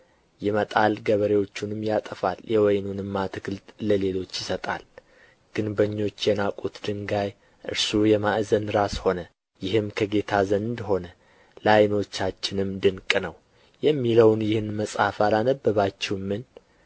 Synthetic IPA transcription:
jɪmət̪ʼalɡəβəɾewo̞t͡ʃːunɨmːjat̪ʼəfaljʔɛwɔjnunɨmːat̪ʰɨkɨlt̪ləle̞lo̞t͡ʃːjɪsət̪ʼa̰l | ɡ̥ɨnbəɲːo̞t͡ʃːjɛnakʼut̪d̪ɨŋɡaj | ʔɨ̰ɾsujɛmaʔzənɾasho̞nə | jɪhɨmkʰəɡe̞t̪ʰazənd̪ɦo̞nə | lajno̞t͡ʃːat͡ʃːɪnɨmd̪ɨŋkʼnəw | jɛmːiləwnjɪhɨnməsʼafalanəbːəβat͡ʃːɛwmːɨn

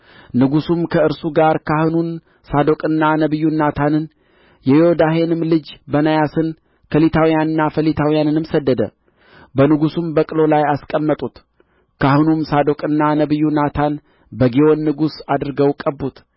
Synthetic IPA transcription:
nɨɡusumkʰəɨɾsuɡaɾkʰahɨnun | sad̪o̞kʼɨnːanəβɨjːunːat̪ʰanɨn | jɛjo̞d̪ahe̞nɨmlɨd͡ʒbənajasɨn | kʰəlit̪ʰawijanɨnːafəlit̪ʰawijanɨnɨmsəd̪ːəd̪ə̰ | bənɨɡusumbəkʼɨlo̞lajaskʼəmːət̪ʼut̪ | kʰahɨnumsad̪o̞kʼɨnːanəβɨjːunat̪ʰan | bəɡewo̞nːɨɡusad̪ɨɾɨɡəwkʼəbːut̪

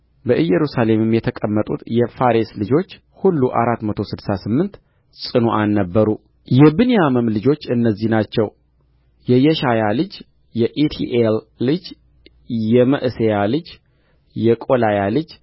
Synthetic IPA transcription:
bəʔɨjːɛɾusale̞mɨmjɛt̪ʰəkʼəmːət̪ʼṵt̪jɛfaɾeslɨd͡ʒo̞t͡ʃː | hulːuʔa̰ɾat̪ːmət̪ʰo̞sɨd̪sasɨmːɨnt̪ | sʼɨnoʔanːəbːəɾu | jɛbɨnijaməmlɨd͡ʒo̞t͡ʃːɨnːəzːihnat͡ʃːɛw | jɛjɛʃajalɨd͡ʒ | jɛʔet̪ʰḭʔelː | ɨd͡ʒ | jɛməʔɨsejalɨd͡ʒ | jɛkʼo̞lajalɨd͡ʒ

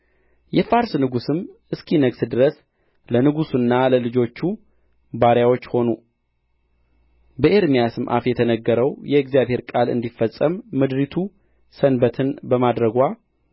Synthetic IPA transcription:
jɛfaɾsnɨɡusɨmʔɨskʰinəɡsɨd̪ɨɾəs | lənɨɡusunːaləlɨd͡ʒo̞t͡ʃːu | baɾjawo̞t͡ʃːho̞nu | bəʔeɾmijasɨmʔa̰fjɛt̪ʰənəɡːəɾəwjɛɨɡzijaβhe̞ɾkʼalɨ̰nd̪ifːəsʼːəmːɨd̪ɾit̪ʰu | sənbət̪ʰɨnbəmad̪ɾəɡʷa

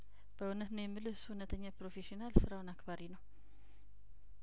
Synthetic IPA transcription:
b̥əunət̪nəjɛmːɨlɨshunət̪ʰəɲːapɾo̞fe̞ʃionalsɨɾawnakbaɾinəw

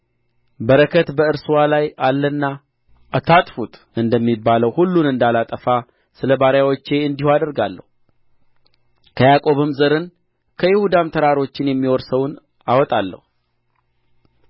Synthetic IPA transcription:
bəɾəkʰət̪bəɨɾsuwalajalːənːa | at̪ʰat̪ʼfut̪ʼ | ɨnd̪əmːibːaləwhulːunɨnd̪alat̪ʼəfa | sɨləbaɾjawot͡ʃːe̞ɨnd̪ihuad̪əɾɡalːə̰hu | kʰəjakʼo̞βɨmzəɾɨn | kʰəjɪhud̪amt̪ʰəɾaɾo̞t͡ʃːɪnjɛmːiwɔɾsəwn | awɔt̪ʼalːə̰hu

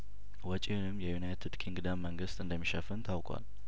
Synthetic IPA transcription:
wɔt͡ʃʼiunɨmːjɛjunajt̪ʰɨd̪kʰiŋɡd̪amːəŋɡɨst̪ɨnd̪əmːiʃəfɨnt̪ʰawkʰʼʷa̰l

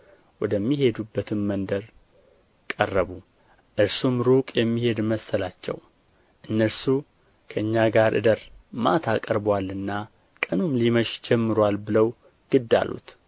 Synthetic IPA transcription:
wɔd̪əmːihe̞d̪ubːət̪ʰɨmmənd̪əɾ | kʼə̰rːəβu | ʔɨɾsumɾukʼjɛmːihe̞d̪məsːəlat͡ʃːɛ̰w | ʔɨnːəɾsu | kʰəɨɲːaɡaɾʔɨ̰d̪əɾma̰t̪ʰakʼəɾbwalːɨnːa | kʼənumliməʃd͡ʒɛmːɨɾwalbɨləw | ɡ̥ɨd̪ːa̰lṵt̪

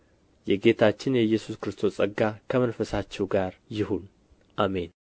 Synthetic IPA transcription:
jɛɡe̞t̪ʰat͡ʃːɪnjɛjːɛsuskɨɾɨst̪ʰo̞sʼəɡːakʰəmənfəsat͡ʃːɛwɡaɾjɪhun | ʔame̞n

